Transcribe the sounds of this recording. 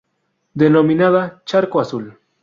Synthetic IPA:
d̪enominaðat͡ʃaɾkoasʊl

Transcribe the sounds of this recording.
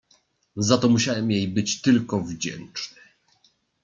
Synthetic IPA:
zat̪ɔmuɕawɛmjejbɘt͡ɕt̪ɘlkɔvd͡ʑɛ̰nt͡ʂnɘ

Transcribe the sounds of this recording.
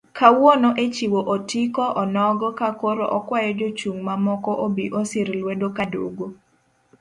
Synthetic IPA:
kawonoʔet͡ʃiwoʔotikɔʔɔnɔɡɔkakoɾoʔɔkwajɔd͡ʒot͡ʃuŋmamɔkɔʔobiʔosɪɾlwedokado̰ɡo

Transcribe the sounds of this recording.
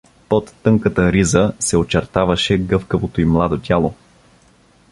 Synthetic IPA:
pot̪ːɤŋkət̪əɾizəsɛot͡ʃɛɾt̪avɐʃɛɡɤfkəvot̪oimlˠad̪ot̪ʲjalˠo

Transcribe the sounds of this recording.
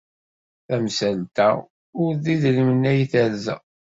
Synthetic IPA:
θæmsælt̪æ̰ | ʊɾðiðlimənːæjiθæɾzæ̰

